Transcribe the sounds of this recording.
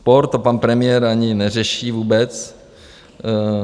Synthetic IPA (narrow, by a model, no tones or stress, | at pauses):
poɾt̪opanpɾɛmɪjɛɾaɲɪnɛrɛʃiːvuːbɛt͡s